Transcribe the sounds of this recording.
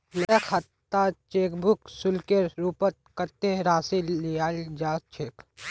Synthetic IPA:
mɛkʰat̪ːat͡ʃeːkbʱʊksʊlkeɾɾupət̪̚kət̪ːeɾaːsilliaːld͡ʒaːt͡ʃʰeːk

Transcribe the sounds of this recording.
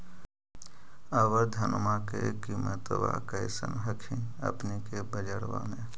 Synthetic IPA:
əʋəɾd̪ʱɐnmakekimət̪ʋa̰kəɪsə̰nɦəkʰĩnɐ̰pnikebəd͡ʒəɽʋa̰mẽ

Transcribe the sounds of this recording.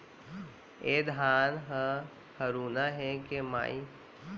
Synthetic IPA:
eːd̪ʱaːnɦə | həɾuːnaɦẽkema̰ːi

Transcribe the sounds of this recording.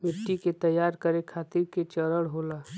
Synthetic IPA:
mɪʈːiket̪əjːaːɾkəɾekʰaːt̪ɪɾket͡ʃəɾəɽɦoːlaː

